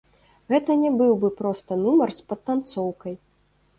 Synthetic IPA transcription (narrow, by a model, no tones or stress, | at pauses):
ɣɛt̪ɐnʲɛbɨwbɨpɾɔst̪ɐnumɐrspɐt̪ːant̪sɔwkɐj